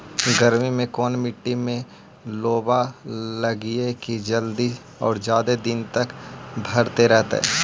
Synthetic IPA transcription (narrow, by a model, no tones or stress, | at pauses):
ɡəɾmimẽkɔːnmɪʈːimẽ | loːbalɐɡiekid͡ʒəld̪i | ɔ̰ːɾd͡ʒjaːd̪ed̪ɪnt̪ɐkbʱɐɾt̪eɾɛɦt̪ḛɛ̰ː